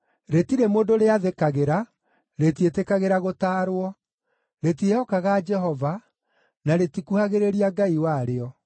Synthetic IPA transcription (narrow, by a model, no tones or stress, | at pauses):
ɾetiɾemoːndoɾeaðekaɣeɾa | ɾetietekaɣeɾaɣotaːɾwɔ | ɾetieɔkaɣad͡ʒɛɦɔva | naɾetikuhaɣeɾeɾiaɡaiwaɾeɔ